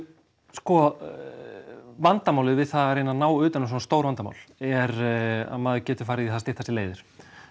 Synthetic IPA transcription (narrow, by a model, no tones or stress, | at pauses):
skɔ | vant̪amawlɪðvɪðθaðɾejnanaːwʏːt̪anɪs̬ɔnast̪oːwɾvant̪ama̰wlɛɾa̰ðmaːðɪcɛːt̪ɪ̥faːɾɪðiθaðst̪ɪht̪asɪleːjðɪɾ̥